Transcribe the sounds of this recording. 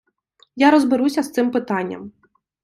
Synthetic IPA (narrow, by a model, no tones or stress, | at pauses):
jaɾɔzbɪɾusʲɐst̪sɪmpɪt̪anʲːɐ̰m